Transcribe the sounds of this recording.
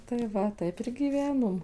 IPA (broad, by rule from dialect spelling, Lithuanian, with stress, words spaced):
tɐɪ ˈʋɐ ˈtɐɪp ɪr ɡʲiːˈʋʲæːnoːm